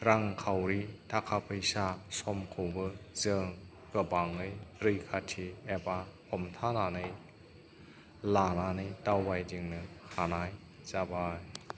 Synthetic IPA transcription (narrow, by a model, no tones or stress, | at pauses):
ɾaŋkʰawɾitʰakʰapʰɯjsasɔmkʰɯwbɯzɯŋ | kɯbaŋɯjɾɯjkʰatʰiebahʰɔmtʰananɯj | lananɯjtawbajdiŋnɯhanaj | zabaj